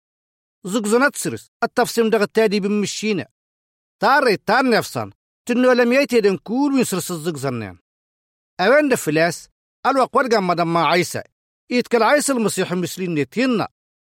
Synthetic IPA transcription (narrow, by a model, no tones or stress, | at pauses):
zɨɡzɑnæt̪sɾḭs | ɑt̪ːɑfsiːmdɑʁat̪ːædiːbimːiʃːiːnæ̰ | t̪ɑrˤːit̪ːɑɾnefsɑ̰n | t̪ənːolæmjajt̪edæŋkuːlwinsɾisɨzˤːɨɡzɑnːḛn | æweːndæfilæs | ælwɑqːwadɡamːɑdɑmːaʕajsæ̰ | it̪kalʕajsalmɑsiːħimuslinːet̪jinːɑ̰